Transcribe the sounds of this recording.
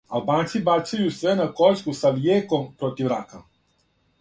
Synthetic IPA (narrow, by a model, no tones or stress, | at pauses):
albaːnt̪sibat͡ʃajusʋenakoʎskusaʋjeːkompɾot̪iʋɾaka